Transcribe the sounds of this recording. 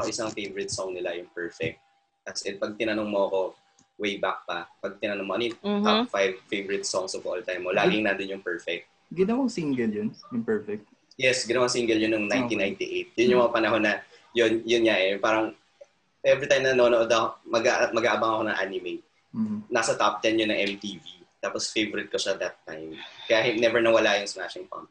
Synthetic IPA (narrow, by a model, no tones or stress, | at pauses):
oʔɪsɐŋfejvɔɹɪt̪̚soŋnɪlajʊŋpɛɹfɛk̚t̪̚ | t̪ɐsʔɛpɐɡ̚t̪ɪnɐnoŋmoɐko̞ | wejbak̚pɐpɐɡ̚t̪ɪnɐnoŋmoʔɐnjt̪afajvfejvɔɹɪt̪̚soŋsofo̰lt̪ajmːolaːɡɪŋnad̪ɪnjʊŋpɛɹfɛk̚t̪̚ɡɪnɐwaŋsiŋɡɛljʊnjʊŋpɛɹfɛk̚t̪̚ | jɛsɡɪnɐwaŋsiŋɡɛljʊnːoŋnajnt̪inajnt̪iʔejt̪̚jʊnjʊŋmɐŋapɐnɐɦo̞nːɐ | jonjʊnɲaʔɛpaːɾɐŋ | ʔɛvɾit̪ãjmnɐnonoʔod̪ɐkomɐɡaʔmɐɡaːʔɐbaŋɐko̞nɐŋʔa̰ːnɪmeŋː | nasɐt̪ap̚t̪ɛnjʊnːɐŋʔɛmt̪iːvit̪aːposfejvɔɾɪt̪̚koʃad̪ɐt̪ːajmkɐjahɪnɛvɛɹnɐwɐlajʊŋsmaʃɪŋpɐ̰mp̚